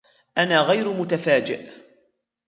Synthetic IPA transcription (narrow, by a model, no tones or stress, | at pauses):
ʔanaːɣajɾmʊt̪afaːd͡ʒɪ̰ʔ